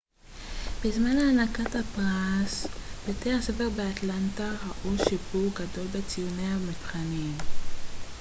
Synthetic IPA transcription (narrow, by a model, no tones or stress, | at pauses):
b̥ezmanaːnakatapʁasbetease̞feʁbeatlantaʁaʔuʃibuʁɡado̞lbet͡sijunehamipχanim